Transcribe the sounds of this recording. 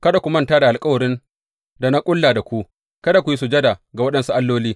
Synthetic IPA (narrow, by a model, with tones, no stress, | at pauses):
kɐ˦da˨kʷu˨mɐ˦ntaː˦da˨ʔa˨lkʼɐ˦wɐ˨ɾɪ˦n | da˨na˦kʷʼʊ˦lːaː˨da˨kʷu˦ʔ | kɐ˦da˨kʷu˨ji˦su˨d͡ʒɐ˦da˨ɡa˨wɐ˦ɗɐ˦nsu˦ʔa˦lːoː˦liː˦